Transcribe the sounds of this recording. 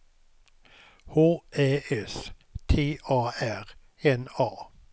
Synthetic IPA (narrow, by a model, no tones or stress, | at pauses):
hoːʔeːʔɛs | t̪ʰeːʔɑːæʁ | ɛnɑː